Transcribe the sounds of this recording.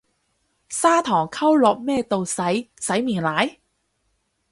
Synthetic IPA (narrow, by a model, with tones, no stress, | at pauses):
saː˥t̪ʰɔː˨˩ŋkʰɐ˥wlɔː˨k̚mɛː˥t̪o˨wsɐ˨˥jsɐ˨˥jmiː˨˩nlaː˨˥j